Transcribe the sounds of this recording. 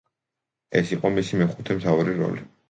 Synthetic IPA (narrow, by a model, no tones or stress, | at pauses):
ɛ̰siqʼɔmisimɛχut̪ʰɛmt̪ʰauɾiɾɔ̰li